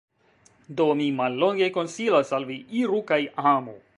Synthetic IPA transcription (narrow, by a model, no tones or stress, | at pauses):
d̪oːmimɐlːoŋɡekonsiːlɐsɐlʋiiɾukɐjʔaaːmo